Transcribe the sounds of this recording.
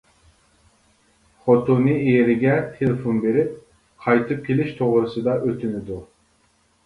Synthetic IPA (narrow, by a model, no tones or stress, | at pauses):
χot̪ʰunɨejeɾɪɡʲɛt̪ʰelɪfonbeɾɪp̚ | qʰɑjt̪ʰɨp̚kʲʰelɪʃt̪ʰoʁɾɨsɨd̪ɑʔøt̪ʰynɪd̪u